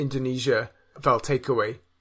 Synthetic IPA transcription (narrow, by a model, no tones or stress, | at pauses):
ɪ̃ndəniːʒə | vɛlˠtʰeɪkʰəweɪ